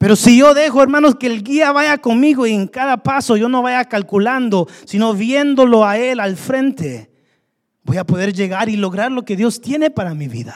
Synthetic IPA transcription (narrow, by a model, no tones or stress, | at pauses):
pe̞ɾo̞siʝo̞ðe̞xo̞e̞ɾmano̞skeːlɡiaβaʝako̞nmiɣo̞ieŋkaðapaso̞ʝo̞no̞βaʝakalkuland̪o̞sino̞βje̞nd̪o̞lo̞ae̞lalfɾe̞nt̪e̞ | bo̞japo̞ðe̞ɾʝe̞ɣaɾilo̞ɣɾaɾlo̞ke̞ðjo̞st̪je̞ne̞paɾamiβḭða